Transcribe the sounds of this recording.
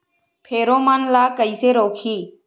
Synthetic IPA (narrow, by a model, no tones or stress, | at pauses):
pʰeːɾoːmənlaːkəiːseːɾoːkʰiː